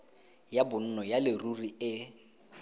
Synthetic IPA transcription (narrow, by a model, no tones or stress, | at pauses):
jabʊn̩nɔjalɪruriɪ